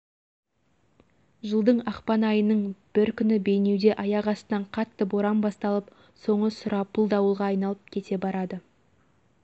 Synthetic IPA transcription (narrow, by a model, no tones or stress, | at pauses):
ʒəlˠd̪əɴɑqpɑnɑjənəɴb̥ɪɾkʲʰʏnɪbe̞jne̞wd̪e̞ʔɑjɑʁɑst̪ənɑɴqʰɑt̪ːəboɾɑmbɑst̪ɑlˠəp | so̞ɴəsʊɾɑpʰʊlˠd̪ɑwəlˠʁɑːjnɑlˠəp̚kʲʰe̞t̪e̞bɑɾɑd̪ə